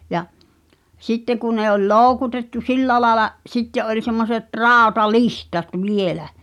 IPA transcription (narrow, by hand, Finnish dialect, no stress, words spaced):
jɑ sitːe ku ne olʲ loˑu̞kutetːu silːæ lɑːĕlɑ sitːeʔ ʔolʲ semːoset rɑˑotɑlihtɑt ʋielæ